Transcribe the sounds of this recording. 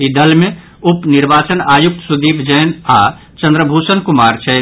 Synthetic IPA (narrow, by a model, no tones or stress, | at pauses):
id̪ɐlmẽ | ʊpnɪɾbaːt͡ʃənaːjʊk̚t̪sʊd̪iːbʰd͡ʒəːnaː | t͡ʃə̃nd̪ɾəbʱuːsənkʊmaːɾt͡ʃʰɛː